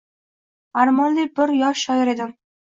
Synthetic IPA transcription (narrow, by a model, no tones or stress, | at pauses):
aɾmɒnlibɪɾjɒʃʃɒjɪɾe̞d̪ɪm